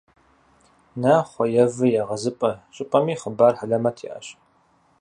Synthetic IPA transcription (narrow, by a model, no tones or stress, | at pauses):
nɐχʷɔjɛvɨjaːʁɐzɨpʼɐɕʼɪpʼɐmiːχəbaːrħaɮɐmɐtʰḭːʔɐ̰ɕ